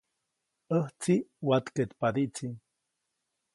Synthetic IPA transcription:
əht͡siwat̪ket̪pad̪iʔt͡si

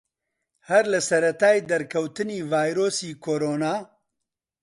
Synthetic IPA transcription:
hɐɾlɨsɐɾɐt̪aːjd̪ɐɾkʰɐwt̪ɨniːvaːjɾoːsiːkʰoːɾoːnaː

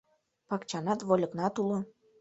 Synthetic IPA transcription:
pɑkt͡ɕɑnɑt̪βolʲɤ̆knɑt̪ulo

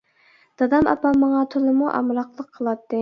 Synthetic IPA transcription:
d̪̥ɑd̪ɑmɑ̰pɑmɑŋɑt̪ʰʊlˠɨmuʔɑ̰mɾɑqlˠəqʰːəlˠɑt̪ːɨ

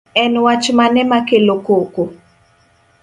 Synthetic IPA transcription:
ɛnwat͡ʃmanɛmakelokoko

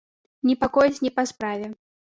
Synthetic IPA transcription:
nʲɛpakɔjɛt͡sʲnʲɛpaspɾavʲɛ

